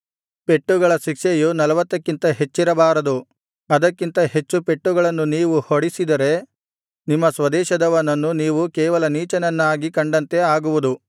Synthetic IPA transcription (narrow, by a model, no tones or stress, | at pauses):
pe̞ʈːuɡɐɭɐʃikʂejunɐlɐʋɐt̪ːɐkːint̪ɐɦe̞t͡ʃːiɾɐbaːɾɐd̪u | ɐd̪ɐkːint̪ɐɦe̞t͡ʃːupe̞ʈːuɡɐɭɐnːuniːʋuhoɽisid̪ɐɾe̞ | nimːɐsʋɐd̪ɛːʃɐd̪ɐʋɐnːɐnːuniːʋukɛːʋɐlɐniːt͡ʃɐnɐnːaːɡikɐɳɖɐnt̪e̞aːɡuʋud̪u